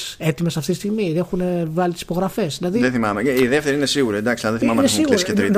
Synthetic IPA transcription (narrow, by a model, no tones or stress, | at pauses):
se̞t̪imesɐft̪it̪ist̪iɣmiexunevɐlit̪isi̥po̞ɣɾɐfe̞sðilɐðiðeθimɐmeiðeft̪e̞ɾiine̞siɣuɾiend̪ɐksilɐðeθimɐmeesiɣisket̪ɾi